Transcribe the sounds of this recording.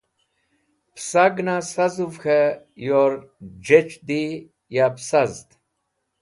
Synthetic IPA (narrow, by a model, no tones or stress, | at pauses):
psaɡnasazuvxʰe | joɾd͡ʑet͡ʃd̪i | japsazt̪